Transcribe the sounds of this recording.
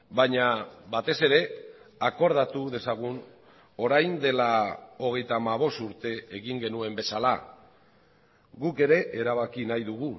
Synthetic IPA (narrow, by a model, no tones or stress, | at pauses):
bajɲaβat̪e̞se̞ɾe̞ako̞ɾðat̪uðe̞saɣ̞un | o̞ɾajnd̪e̞lao̞ɣ̞e̞jt̪aːmaβ̞o̞st̪uɾt̪e̞eɣiŋɡe̞nue̞mbe̞sala̰ | ɣuke̞ɾe̞ʔeɾaβakinajðuɣ̞u